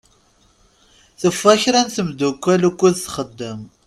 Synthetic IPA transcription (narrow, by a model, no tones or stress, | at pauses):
θəfæçɾænθəmd̪ukʷːælukʷːuðθχəd̪ːəm